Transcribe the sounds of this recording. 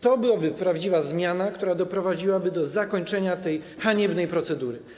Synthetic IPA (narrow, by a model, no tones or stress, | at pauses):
t̪ɔbɘwabɘpɾavd͡ʑivazmʲjanakt̪uɾad̪ɔpɾɔvad͡ʑiwabɘd̪ɔzakɔɲt͡ʂɛɲat̪ɛj | xaɲɛbnɛjpɾɔt̪sɛd̪uɾɘ